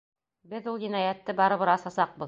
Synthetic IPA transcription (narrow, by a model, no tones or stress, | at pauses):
bɘðulˠjinɑjæt̪ːɘbɑɾɤ̆βɤɾɑsɑsɑq̚bɤ̆ð